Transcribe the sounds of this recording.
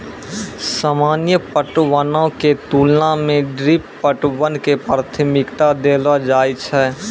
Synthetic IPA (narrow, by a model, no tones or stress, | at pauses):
saːmaːnjəpəʈwənõket̪uːlnamẽɖɾipːəʈwənkepɾat̪ʰəmɪkt̪ad̪eːlad͡ʒaːjt͡ʃʰɛ